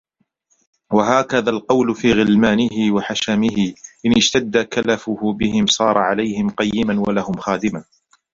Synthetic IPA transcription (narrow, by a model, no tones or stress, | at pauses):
waɦaːkaðaːlqɑwlʊfiːɣɪlmaːnɪɦɪwaħaʃamɪhɪʔɪnʔɪd͡ʒt̪ad̪ːakalafʊhʊbɪhɪmsˤɑːɾˤɑʕalajhɪmqɑjːɪmanwalahʊmxaːd̪ɪmaː